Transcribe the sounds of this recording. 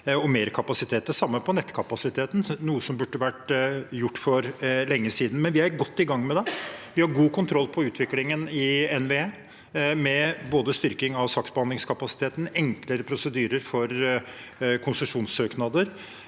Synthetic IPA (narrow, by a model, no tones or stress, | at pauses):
ɔmeːɾkʰɑpɑsɪt̪ʰeːt̪əsɑmːəpʰɔnɛt̪ːkʰɑpɑsɪt̪ʰeːt̪n̩nuːəsɔmbʉɖːəʋæʈːjʊʈːfɔɾlɛŋːəsiːd̪n̩mɛnʋɪæɾɡɔt̪ːɪɡɑŋːmɛd̪ɛʋɪhɑɾɡuːkʰʊnt̪ʰɾɔlːpʰɔʉːt̪ʰʋɪklɪŋənɪɛnʋeːeː | mɛboːd̪əst̪ʏɾkɪŋɑʋsɑksbəhɑnd̪lɪŋskʰɑpɑsɪ̥t̪ʰeːt̪n̩ɛŋkləɾəpʰɾʊsəd̪yːɾəɾfɔɾ | kʰʊnsəʂuːnsøːknɑd̪əɾ